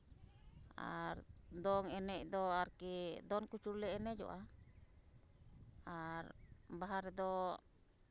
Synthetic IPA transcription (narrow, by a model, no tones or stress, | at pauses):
a̰ɾd̪ɔŋɛnɛʔ̚d̪ɔaɾkɛd̪ɔnkut͡ʃuɾlɛɛnɛd͡ʒɔ̰ʔa | aɾbaɦaɾd̪ɔ